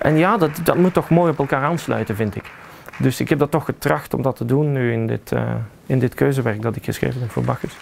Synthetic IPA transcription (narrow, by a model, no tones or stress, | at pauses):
ʔɛnjaːdɑtdɑtmutːɔxmoːjɔpɛlˠkaːɾaːnslœ̰ɥtəvɪntɪk | dɵsɪkɦɛb̚dɑtːɔxːətrɑxtɔ̰mdɑtədunːyɪndɪ̰tʰə̰ | ɪndɪtkʰøːzəʋɛɹk̚dɑtɪkxəsxrḛːvəbɛnvo̰ːɹbɑxəs